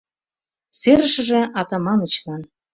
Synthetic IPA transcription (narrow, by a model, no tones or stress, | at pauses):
seɾə̆ʃə̆ʒĕɑt̪ɑmɑnə̆t͡ɕlɑn